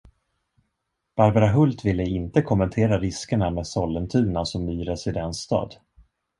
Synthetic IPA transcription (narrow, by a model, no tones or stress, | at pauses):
b̥aɾbaɾaɦɵlt̪vɪlːəɪnt̪əkʰɔmːɛnt̪ʰeːɾaɾɪskəɳameːsɔlːənt̪ʰʉ̟ːɳasɔmːyːɾɛsɪd̪ɛnsːt̪ɑ̰ːd̪